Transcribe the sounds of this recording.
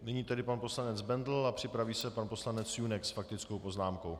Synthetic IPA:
nɪɲiːt̪ɛdɪpanpo̞slanɛd͡zbɛnd̪l̩apr̥ɪpɾaviːsɛpanposlanɛt͡sjunɛksfak̚t̪ɪt͡skowpo̞znaːmko̞w

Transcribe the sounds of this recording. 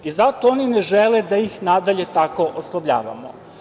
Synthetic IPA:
izat̪oonineʒeled̪ajixnad̪aʎe̞t̪ako̞ʔoslˠaʋʎa̰ːʋa̰mo̰

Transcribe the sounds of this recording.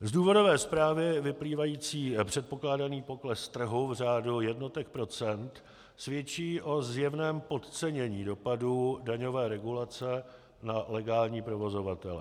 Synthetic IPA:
zduːvo̞do̞vɛːspɾaːvɪvɪpliːvajiːt͡siːpr̥ɛt̪̚po̞klaːdaniːpo̞klɛst̪r̩ɦuvr̝aːdujɛdno̞t̪ɛk̚pɾo̞t͡sɛnt̪ | svjɛt͡ʃiːʔo̞zjɛvnɛːmpo̞t̪t͡sɛɲɛɲiːdo̞padudaɲo̞vɛːɾɛɡulat͡sɛ | nalɛɡaːlɲiːpɾo̞vo̞zo̞vat̪ɛlɛ̰

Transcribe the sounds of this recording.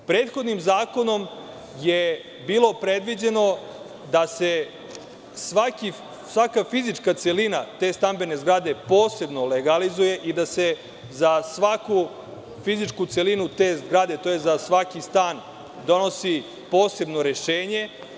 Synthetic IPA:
pɾeːt̪xo̞d̪nimzaːko̞no̞m | je | biːlˠo̞pɾe̞d̪ʋid͡ʑe̞no̞ | d̪ase̞ | sʋaki | sʋakafizit͡ʂkat̪se̞linat̪e̞ːst̪ambe̞ne̞zɡɾad̪e̞po̞ːse̞bnoleɡalizuje̞ʔid̪ase̞ | zasʋaku | fizit͡ʂkut̪se̞linut̪e̞ːzɡɾad̪e̞t̪o̞jezasʋakist̪aːn | d̪o̞no̞si | po̞ːse̞bnoɾe̞ʃe̞ːɲe̞

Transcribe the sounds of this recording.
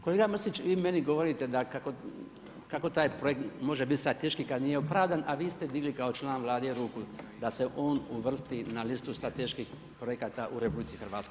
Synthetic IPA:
koleɡamr̩sit͡ʃʋiːme̞niɡo̞ʋo̞ɾit̪e̞d̪akako | kako̞t̪aːjpɾojekt̪mo̞ʒebit̪st̪ɾat̪eʃkikad̪nijeopɾaʋd̪anʔaʋiːst̪e̞d̪iɡlikao̞t͡ʃlaːnʋlˠaːd̪eeɾukuld̪aseʔo̞ːnuʋr̩st̪inalist̪ust̪ɾat̪eʃkix | pɾojekat̪aʔuɾe̞publit̪sixr̩ʋaːt̪skoj

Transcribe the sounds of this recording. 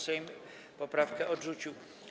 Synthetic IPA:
sɛjm | popɾafkɛʔodrut͡ʃu

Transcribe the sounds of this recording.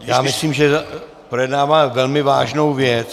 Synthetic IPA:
jaːmɪsliːmʒɛ | projɛdnaːvaːvɛlmɪvaːʒnowvjɛt͡s

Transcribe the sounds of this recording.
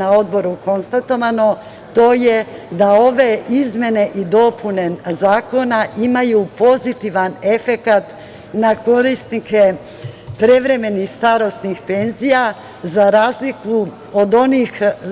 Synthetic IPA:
nao̞d̪bo̞ɾuko̞nst̪at̪o̞ʋano̞ | t̪o̞ːjed̪ao̞ʋe̞izmje̞ne̞ʔid̪o̞pʰune̞zaːko̞naʔimajupo̞zit̪iʋane̞fe̞kat̪ | nako̞ɾist̪nike̞ | pɾeʋɾe̞me̞nixst̪aɾo̞st̪nixpe̞nzija | zaɾaːzliku | od̪o̞nix

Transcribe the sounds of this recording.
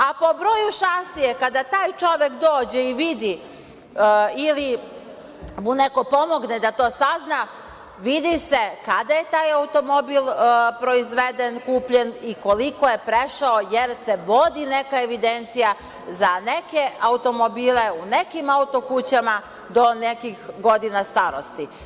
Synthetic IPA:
apo̞bɾo̞ːjuʃasijekad̪at̪aːjt͡ʃo̞ʋe̞kd̪oːd͡ʑeiʋid̪i | ili | muneko̞po̞mo̞ɡned̪at̪o̞ːsazna | ʋid̪ise̞kad̪aje̞t̪aːjaut̪o̞mo̞bilpɾo̞izʋed̪enkuːpʎe̞niko̞likojepɾeʃaojeɾse̞ʋo̞d̪ine̞kaeʋid̪ent̪sija | zaneke̞aut̪o̞mobiːle̞unekimaut̪o̞kut͡ɕama | d̪o̞nekixɡo̞d̪inast̪aɾost̪i

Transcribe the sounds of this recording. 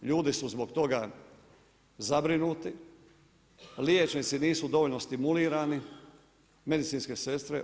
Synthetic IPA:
ʎuːd̪isuzbokt̪o̞ɡa | zabɾinuːt̪i | ljet͡ʃnit̪siniːsud̪o̞ʋoʎnost̪imuliːɾaːni | me̞d̪it̪siːnske̞se̞st̪ɾḛ

